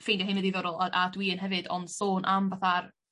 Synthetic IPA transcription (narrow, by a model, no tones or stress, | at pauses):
fejndahɪnədiðɔɾʊlˠaʔadwiːənɦɛvɨdɔ̰nd̥soːnʔamvaθar